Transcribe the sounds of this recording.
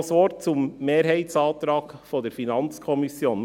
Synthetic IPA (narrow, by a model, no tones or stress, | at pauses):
sʋɔt̚t͡sʊmːeːɾɦæɪtsɑːt̪ɾɑːkfɔdɛɾfinɑnt͡skʰɔmɪsjoːn